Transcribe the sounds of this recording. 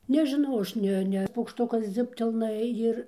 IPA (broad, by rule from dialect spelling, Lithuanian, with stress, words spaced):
nʲɛʒʲɪˈnɐʊ ˈɐʃ ˈnʲɛ ˈnʲɛ pɐʊkˈʃtʊkɐs ˈd͡zʲʊpʲtʲɛlˠnɐ ˈjɪr